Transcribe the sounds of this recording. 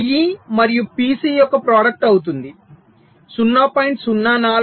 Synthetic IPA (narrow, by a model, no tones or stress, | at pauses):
ɡimɐɾijupiːsiːjɔkːɐpɾaːɽɐk̚ʈɐwut̪und̪i | sunːaːpaːjɳʈsunːaːnaː